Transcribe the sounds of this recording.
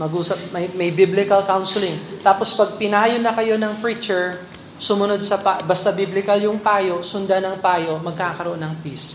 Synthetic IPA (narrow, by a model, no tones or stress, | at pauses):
mɐɡuːsɐp̚mɐjmɐjbiblɪkɐlkawnsɪlɪŋt̪aːpo̞spɐɡ̚pɪnaːjonɐkɐjo̞nɐŋfɹit͡ʃɛɹ | sʊmʊno̞d̪̚sɐpabɐst̪ɐbiblɪkɐljʊŋpaːjo̞ʔsʊnd̪anɐŋpaːjo̞ʔmɐɡ̚kaːkɐɾoʔonːɐŋpis